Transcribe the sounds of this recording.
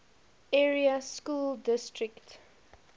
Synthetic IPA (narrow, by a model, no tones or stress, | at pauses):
ɛɹiaskuːldɪstɹɪkt